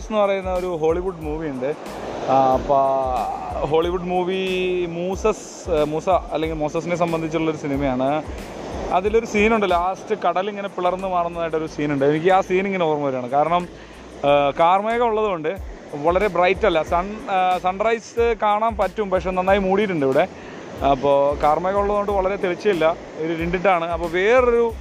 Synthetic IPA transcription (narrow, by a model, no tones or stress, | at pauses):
senːɨpɐrɐjunːɐoɾuɦo̞ːɭiʋuɖmuːʋijuɳɖɨ | pːo | ɦo̞ːɭiʋuɖmuːʋimuːsɐs | muːsaɐlːeŋɡilmoːsɐs̬ine̞s̬ɐmbɐnd̪ʱit͡ɕːuɭːɐo̞ɾusinimɐjaːɳɨ | ɐðilo̞ɾusiːnuɳɖɐlːaaːstɨkɐɽɐliŋːɐne̞piɭɐrnːɨmaːɽunːɐðaːjʈːo̞ɾusiːnuɳɖɨe̞nikʲːɨaːsiːniŋːɐneuɐrmːɐʋɐɾaːɳɨkaːɾɐɳɐm | kaːrmeːɣɐuɭːɐðuɣo̞ɳɖɨ | ʋɐɭɐɾe̞brɐjtːɐlːɐsɐɳsɐɳɖrɐjsɨkaːɳaːmpɐtːumpɐkʂeːnɐnːaːjimuːɽijiʈ̬ːuɳɖiʋiɽe̞ | ɐpːoːkaːrmeːɣɐuɭːɐðɨɣo̞ɳɖɨʋɐɭɐɾet̪eɭit͡ɕːɐilːɐ | oɾuɾiɳɖiʈːaːɳɨɐpːoːʋe̞ːro̞ɾu